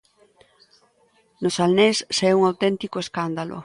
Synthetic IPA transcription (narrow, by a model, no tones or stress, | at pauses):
nosalnessɛuŋawt̪ɛnt̪ikoeskand̪alʔo̰